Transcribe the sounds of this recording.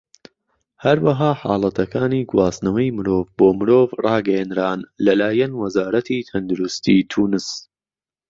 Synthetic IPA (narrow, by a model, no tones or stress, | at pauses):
hɐɾwɐɦaːħa̰ːlˠɐt̪ʰɐkaːniːɡwaːsnɐwɐjmɨɾoːvboːmɨɾoːvrʔɑːɡɐjɛnɾaːnlɐlaːjɐnwɐzaːɾɐt̪ʰiːt̪ʰɐnd̪uɾʊst̪iːt̪ʰuːnɨs